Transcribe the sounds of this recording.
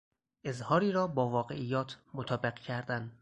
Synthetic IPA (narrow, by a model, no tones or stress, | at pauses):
ʔe̞zhɒːɾiːɾɒːbɒːvɒːɣe̞̰ʔijːɒːt̪ʰmot̪ʰɒːbeqcʰæɾd̪æn